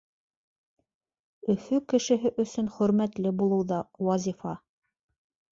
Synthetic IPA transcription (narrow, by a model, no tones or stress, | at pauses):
ɵ̆fɵkɘ̆ʃɘ̆ɦɘʔɵ̆sɵnχɵ̆ɾmæt̪lɘbulˠɤ̆wðɑwɑzʲifɑ